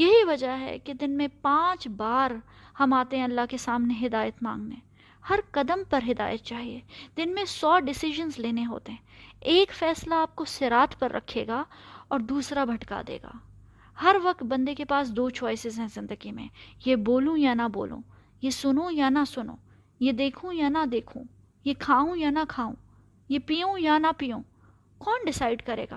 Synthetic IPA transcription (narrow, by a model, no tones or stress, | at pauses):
jɐɦiʋɐd͡ʒaɦɛ̰ked̪ɪnmẽpãːt͡ʃbaːɾhɐmaːt̪eɦɛ̃ɐlːaɦkesaːmneɦɪd̪aːjət̪mã̰ːŋɡneː | hɐɾkɐd̪əmpɐɾɦɪd̪a̰ːjət̪̚t͡ʃaːɦieːd̪ɪnmẽsɔːɖɪsɪʒənzleːneɦo̰ːt̪eɦɛ̃eːkfɛːslaaːp̚kosɪɾaːt̪ʰpɐɾːʔɐ̰kʰːeːɡaɔːɾd̪uːsɾabʱɐʈka̰d̪ḛːɡa̰ː | hɐɾʋɐk̚t̪̚bɐ̃nd̪ekepaːsd̪oːt͡ʃɔːɪsɪzɦɛ̃zɪ̃nd̪əɡimḛ̃jeboːlũjanɐbo̰ːlṵ̃ | jesʊnõjanasʊnõ̰ː | jed̪eːkʰũjanad̪eːkʰṵ̃ | jekʰaːũjanakʰaːṵ̃ | jepiːũjanapijũː | kɔːnɖɪsaːɪɖkɐɾḛːɡa̰ː